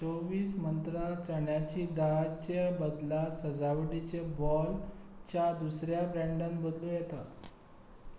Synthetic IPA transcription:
t͡soʋiːsmənt̪ɾat͡səɳjat͡ɕiːd̪at͡ɕebəd̪lasəd͡zaʋʈit͡ɕebɔlt͡ɕjad̪usɾjabɾɛ̃ɳɖãnbəd̪lujɛt̪a

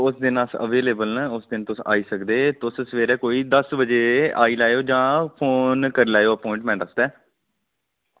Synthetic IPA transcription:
ʊsd̪ɪnəsə̰ʋeːleːbəlnãːʊsd̪ɪnt̪ʊsa̰ːiːsəkd̪eːt̪ʊssʋeːɾɛːkoːiːd̪əsbəd͡ʒeːa̰ːiːlaːjoːd͡ʒãːpʰoːnkəɾlaːjoːəpɔ̃ːɪ̃ɳʈmɛ̃ːʈəsd̪ɛː

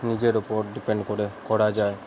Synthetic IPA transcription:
nid͡ʒeɾupɔɾɖipeɳɖkoɾekɔɽad͡ʒae

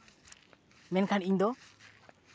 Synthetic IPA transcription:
mɛnkʰaniɲd̪ɔ

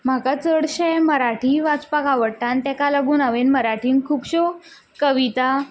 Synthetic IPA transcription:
m̤akat͡səɽɕɛməɾaʈʰiʋat͡spakaʋəɽʈãnt̪ɛkalaɡuːnaʋenməɾaʈʰiːŋkʰuːpɕo | kəʋit̪a

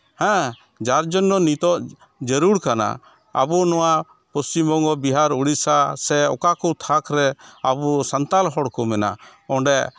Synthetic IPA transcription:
hɛ̃ | d͡ʒaɾd͡ʒɔnːɔnit̪ɔʔ | d͡ʒəɾuɽkana̰ | a̰bunɔwa | pɔst͡ʃimbɔŋɡɔbiɦaɾuɽisasɛɔ̰kakɔt̪ʰakʰɾɛabusant̪alɦɔɽkɔmɛna̰ɔ̃ɳɖɛ

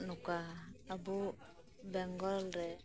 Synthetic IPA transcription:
nukaːbu | bɛŋɡɔlɾɛ

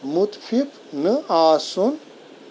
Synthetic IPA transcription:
mut̪fʰif | nɨaːsun

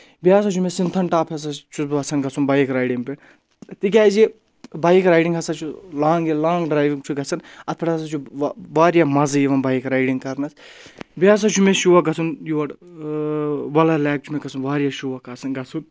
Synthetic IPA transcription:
bijaːs̬at͡ʃʰumesint̪ʰɐɳʈaːpʰʲes̬ɐt͡ʃʰuɐt͡sʰɐnɡɐt͡sʰunbaːjikɾaːjɖiŋpe | t̪ik̬ʲaːzi | baːjikɾaːjɖiŋɡɐsɐt͡ʃʰulãːŋɡelaːŋɡɖɾaːjʋiŋt͡ʃʰuɡɐt͡sʰɐnɐt̪̚pʰɐʈas̬at͡ʃʰuʋaːɾjamɐzjiʋɐnbaːjikɾaːjɖiŋɡkɐɾnɐsbijaːs̬at͡ʃʰumeʃuʋɐɡɐt͡sʰunjuʋɐʈ | ʋɐlɐlaːk̚t͡ʃʰumeɡɐt͡sʰunʋaːɾjaʃuʋɐkaːt͡sʰɐnɡɐt͡sʰun

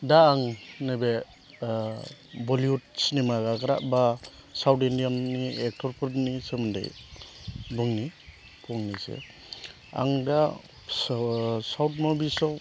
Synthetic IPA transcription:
daːŋnɯbe | bɔliut̚sinimaɡaɡaɾa̰ʔbasawtindijanniɛk̚tʰɔɾpʰuɾtnisɯmɯnda̰j | bɯŋni | kʰɔŋnisḛ | a̰ŋda | sawt̚mɔbisɔ

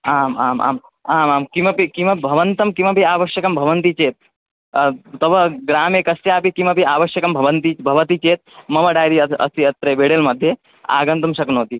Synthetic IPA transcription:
aːma̰ːma̰ːm | aːmaːmkimɐpikimɐbʱɐʋɐnt̪ɐmkimɐpiaːʋɐʃjɐkɐmbʱɐʋɐnt̪it͡ʃeːt̪̚ | t̪ɐbɐɡɾaːmeːkɐsjaːpikimɐpiaːʋɐʃjɐkɐmbʱɐʋɐnt̪ibʱɐʋɐt̪it͡ʃeːt̪̚mɐʋɐɖaːjɾiɐɐ̰st̪iɐt̪ɾɐbʱeːɽeːlmɐd̪ʱːje | a̰ːɡɐnt̪ɐmʃɐknoːt̪i

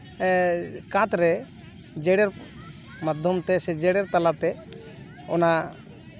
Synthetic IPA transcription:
kãt̪ɾɛ | d͡ʒɛɽɛɾ | mad̪ʱjɔmt̪ɛsɛd͡ʒɛɽɛɾt̪alat̪ɛ | ɔna

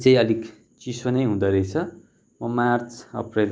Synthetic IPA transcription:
t͡saĩʌlik | t͡sisʌnʌjɦũd̪ʌɾʌjt͡sʰʌ | mʌmart͡sʰʌ̰prel

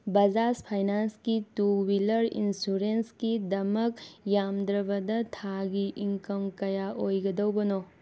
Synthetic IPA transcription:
bɐd͡ʒaspʰajnanskituwilɐɾḭnsuɾenskidɐmɐkjamd̪ɾɐbɐdɐtʰaɡiʔiŋkɐmkɐjaʔojɡɐdɐwbɐno

